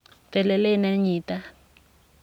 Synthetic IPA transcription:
tɛ˨lɛ˨le˦nɛ˦ɲiːta˦

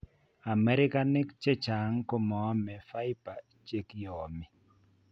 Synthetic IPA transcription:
a˨mɛ˦ɾɪ˦ka˦nɪ˦kt͡ʃe˦t͡ʃa˨ŋko˦mɔ˨˦mɛ˨fa˦ɪ˦pa˨ | t͡ʃe˦kjɔ˨mɪ˨

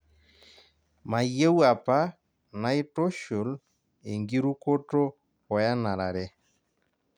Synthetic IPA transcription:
ma˨je˦wa˨pa˦ | na˨i˦to˦ʃo˨l | e˨ŋɡi˦ɾu˦ko˦to˦ | ɔ˨ja˦na˨ɾa˨ɾɛ˦

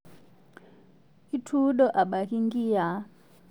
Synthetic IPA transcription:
i˦tʰu˦ɗɔ˦ʔa˨ɓa˨ki˦ŋɡi˦a˨˦

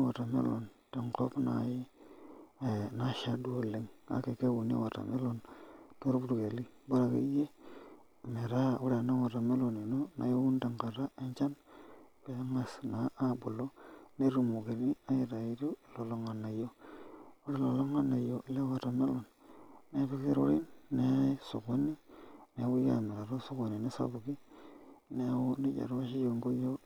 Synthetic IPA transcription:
wa˨ta˨mḛ˦lo˨n | te˨ŋko̰˦pna̰˨˦ji˦˨ | na˦ʃa˦du˦o˦˨le˨ŋa̰˦ke˨ke˦wu˨n˦ḭ˦wa˨ta̰˨me˦lo˦nto˦ɾu˦bu˦ɾu˨ke˨li˦ba˦ɾa˨ka̰˦je˦˨ | me˨ɾa˦u˦ɾe˨na˦wa˨ta˨me˦lo˨ni˨no˦na̰˨jo˦wu˦nta˨ŋka˨ɾa˦e˦ɲt͡ʃa˦nke˨˦ŋa˨sna˨˦ʔa˦bu˨lo˦ne˦ɾu˨mu˨ke˨ni˦a˦ji˨ɾa˨i˦ɾo˦˨lo˨lo˨˦ŋa˨nːa˨jo˦ | u˦ɾe˦˨lo˨lo˦ŋa˦na˨jo˨˦le˦wa˨ɾa˨me˦lo˨nː | e˦pe˦ki˦ɾo̰˦ɾi˦nːe˦so˨ɡo˦ni˦ne˨˦wo˦ja̰˨me˨ɾa˨ɾo˦so˦ko˨ni˨ne˦sa̰bu˨ki˦ | ne˦wo˦ni˦d͡ʒa̰˨ɾwa˦ʃi˦jo˨ŋɡo˦jo˦

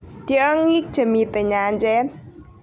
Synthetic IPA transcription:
d̪̥i˨ə˦ŋːi˦k̚ʒ̥ə̤˨mi˨t̪e˨ɲa˧ɲt͡ʃɛ˦n

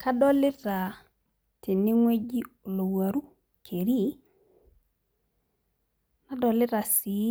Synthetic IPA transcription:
kʰa˦dɔ˦lɪ˦ɾa˨ | tʰe˨nɪ˦ŋwe˦d͡ʒi˦o˨lo˨wa˨ɾu˦ | kʰe˨ɾi˦ | na˦dɔ˨lɪ˦ɾa˨si˨˦

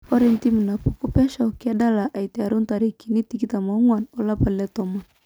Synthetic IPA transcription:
kɔ˦ɾi˦nt̪i˦m˨na˨pu˨ku˦pa˦ʃa˨ki˦a˦da˦la˨ʔa˨i˨tɛ˨a˨ɾu˦nt̪a˨ɾi˨ki˨ni˦ti˨ki˦t̪a˨ma˨u˦ŋwa˨nɔ˨la˦pa˨lɛ˦t̪ɔ˨ma˨

